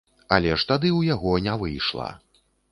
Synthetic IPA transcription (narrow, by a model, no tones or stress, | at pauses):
ɐ̰lʲɛʂt̪ad̪ɨwjaɣɔnʲavɨjʂlˠa̰